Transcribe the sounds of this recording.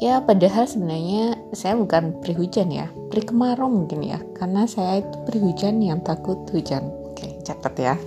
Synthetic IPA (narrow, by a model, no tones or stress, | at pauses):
japadaɦalsəbənarɲasajabukanpɾiɦud͡ʒanja̰pɾikəmaɾɔmuŋkɪnja̰karnasajait̪upɾiɦud͡ʒanjaŋt̪akʊt̪̚hud͡ʒanoket͡ʃat̪ət̪ja